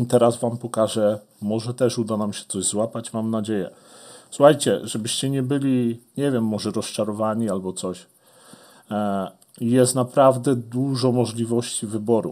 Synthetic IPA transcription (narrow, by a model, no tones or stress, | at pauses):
t̪ɛɾazvampɔkaʐɛ | mɔʐɛt̪ɛʂud̪anamɕɛ̥t̪sɔʑzwapat͡ɕmamnad͡ʑejɛ̰suxajt͡ɕɛʐɛbɘɕt͡ɕɛɲɛbɘlʲiɲɛvʲjɛmːɔʐɛɾɔst͡ʂaɾɔvaɲialbɔt̪sɔɕ | ijɛst̪napɾavd̪ɛd̪uʐɔmɔʐlʲivɔɕt͡ɕivɘbɔɾṵ